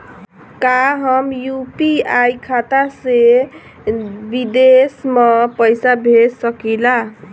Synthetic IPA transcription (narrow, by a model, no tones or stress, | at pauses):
kaɦʌmjupiajkʰat̪ase | bid̪esmʌpəjsabʱesʌkila